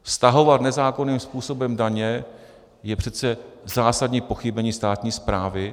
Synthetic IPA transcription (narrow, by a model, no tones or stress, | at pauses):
fst̪aɦo̞vat̪nɛzaːko̞niːmspuːso̞bɛmdaɲɛ | jɛpr̝̥ɛt̪t͡sɛzaːsadɲiːpo̞xɪbɛɲiːst̪aːt̪ɲiːspɾaːvɪ